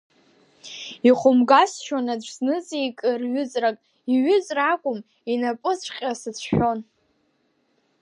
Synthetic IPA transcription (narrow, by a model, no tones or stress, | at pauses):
iχʷʊmɡasʃwanad͡ʒʷʰznɨt͡sʼiikʼɨrɥʏt͡sʼrakʼ | iɥʏt͡sʼrakʷʼʊm | inapʼɨsʷʰqʲʼasɨt͡sʰʃᶣon